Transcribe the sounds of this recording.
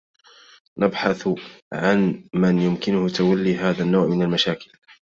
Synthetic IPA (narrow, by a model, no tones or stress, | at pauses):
nʔabħaθʕanmanjʊmkɪnʊhʊt̪awalːiːɦaːðanːaːʕmɪnalmaʃaːkɪl